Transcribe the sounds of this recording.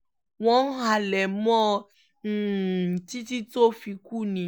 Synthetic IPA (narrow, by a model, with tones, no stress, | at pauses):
w̃ɔ̃˧˦n̩˦ɦa˧˨lɛ˨mɔ̃˦˨ | ti˦ti˦to˦fi˧ku˦˨nĩ˧